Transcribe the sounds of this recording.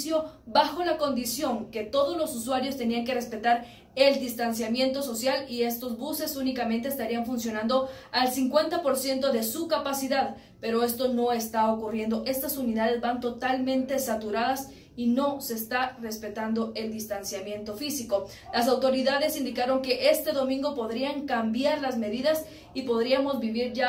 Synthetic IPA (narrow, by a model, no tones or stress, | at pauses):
sjo̞βaxo̞lako̞nd̪isjo̞ŋke̞t̪o̞ðo̞zlo̞suswaɾjo̞st̪e̞niaŋke̞re̞spe̞t̪aɾ | e̞ld̪ist̪ansjamje̞nt̪o̞so̞sjalie̞st̪o̞zβuse̞sunikament̪eest̪aɾiaɱfunsjo̞nãnd̪o̞ | alsiŋkwe̞nt̪apo̞ɾsje̞nt̪o̞ðe̞sukapasiðað | pe̞ɾo̞e̞st̪o̞no̞e̞st̪aokurje̞nd̪o̞ʔe̞st̪asuniðaðe̞zbant̪o̞t̪almẽ̞nt̪e̞sat̪uɾaðas | ino̞se̞ːst̪are̞spe̞t̪and̪o̞ʔe̞ld̪ist̪ansjamje̞nt̪o̞fisiko̞ | lasawt̪o̞ɾiðaðe̞sind̪ikaɾo̞ŋke̞ʔe̞st̪e̞ðo̞mĩŋɡo̞po̞ðɾiaŋkambjaɾlazme̞ðiðas | ipo̞ðɾiamo̞zbiβiɾʝa